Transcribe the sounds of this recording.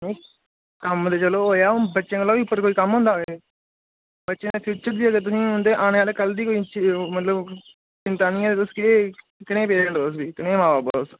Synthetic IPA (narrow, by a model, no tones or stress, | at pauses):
nẽː | kəmd̪eːt͡ʃəloːɦoːjaːʊnbətːʃẽːkəlɔːiːʊpːəɾkoːiːkəmɦʊ̃ːnd̪aːɦoeeː | bətːʃẽːeːpʰjuːt͡ʃəɾd͡ʒ̪iːəɡet̪ʊsĩːɦʊ̃nd̪eːʔaːñeːaːleːkəld̪iːkoːit͡ʃimət̪ləb | t͡ʃɪnt̪aːnĩːaːd̪eːt̪ʊskeː | kɪñẽːpeːɾeɳʈɾoːsbiːkɪnẽːmaːbaːbəloːs